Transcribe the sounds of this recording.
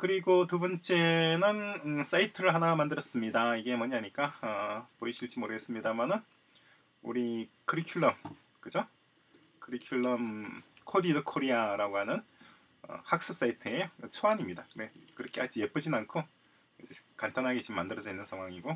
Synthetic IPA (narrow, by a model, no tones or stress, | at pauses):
kɯɾiɡotubʌnt͡ɕ͈e̞nɯnɯs͈aitʰɯɾɯɭɦanamandɯɾʌs͈ɯmɲidaiɡe̞mʌɲiaɲik͈aʌpoiɕʰiɭt͡ɕ͈imoɾɯɡes͈ɯmɲidamanɯn | ṵɾikɯɾikʰjuɭːʌm | kɯd͡ʑo | kɯɾikʰjuɭːʌmkʰodidokʰoɾiaɾaɡoɦanɯn | ʌ̰hak̚s͈ɯp̚s͈aitʰɯeɯt͡ɕʰoaɲimɲidane̞kɯɾʌkʰeaɭt͡ɕ͈ijep͈ʰɯd͡ʑinankʰo | ɯd͡ʑekant͈anɦaɡet͡ɕimːandɯɾʌd͡ʑʌinːɯnsʰaŋɦwaŋiɡo